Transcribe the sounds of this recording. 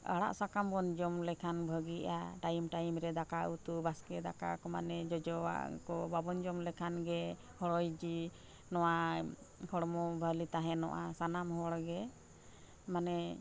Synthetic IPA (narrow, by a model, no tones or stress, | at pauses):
a̰ɽa̰ʔsakambɔnd͡ʒɔmlɛkʰanbʱəɡiʔa̰ʈajmʈajmɾɛd̪akaut̪ubaskɛd̪aka̰kɔma̰nɛd͡ʒɔd͡ʒɔwa̰kɔbabɔnd͡ʒɔmlɛkʰanɡɛ | hɔɽɔjd͡ʒi | nɔwa | hʰɔɽɔmɔbʱəlit̪aɦɛ̃nɔ̰ʔasanamhɔɽɡɛ | manɛ